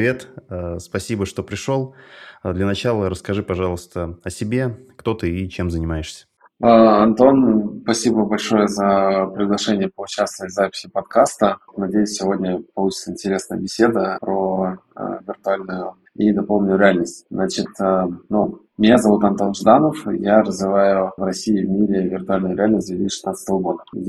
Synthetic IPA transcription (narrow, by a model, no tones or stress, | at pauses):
vʲe̞t̪ːspɐsʲibəʂt̪o̞pɾʲɪʂolˠd̪lʲənɐt͡ɕalˠəɾəskɐʐɨpɐʐɑlˠəst̪əɐsʲɪbʲe̞kt̪o̞t̪ɨit͡ɕemzənʲɪmajɪʂsʲə̥ | əɐnt̪o̞nspɐsʲibəvabɐlʲʂo̞jəzəpɾʲɪɡlˠɐʂɛnʲɪjəpəʊt͡ɕast̪əvəzapʲɪ̥sʲɪpɐt̪kast̪ənɐdʲejʊsʲsʲɪvo̞dʲnʲəpɐlˠut͡ɕɪ̥t̪səɪnʲtʲɪɾʲe̞snəjə̰bʲɪsʲe̞d̪əpɾo̰ | vʲɪrt̪ʊalʲnʊjʊ | id̪ɐpolˠnʲɪjʊɾʲɪalʲnəsʲtʲznat͡ɕɪt̪ənu | mʲɪnʲazɐvut̪ɐnt̪o̞nʐd̪anəfjaɾəzvʲɪvajʊvrɐsʲiɪvmʲiɾʲɪvʲɪrt̪ʊalʲnʊjʊɾʲɪalʲnəs̬ʲtd̪vʲeɪt̪ʲiʂɨ̥sat̪sət̪əvəɡo̞d̪ə